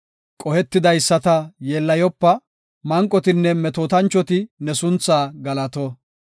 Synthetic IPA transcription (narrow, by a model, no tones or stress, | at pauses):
kʼɔhɛt̪ːɪd̪ɐjsːɐt̪ɐjeːlːɐjɔpːɐ | mɐŋkʼːɔt̪ɪnːɛmɛt̪oːt̪ɐnt͡ʃːɔt̪ɪnɛsʊnt͡sːaːɡɐlɐt̪ɔ